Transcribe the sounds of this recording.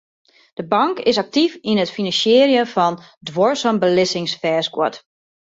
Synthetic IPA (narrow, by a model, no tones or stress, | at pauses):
d̥əbɑŋkɪsak̚tifinətfinɑnsjɪːrjəfɔn | dwoɹsəmbəlɪsɪŋsfɛːsɡwɔ̰t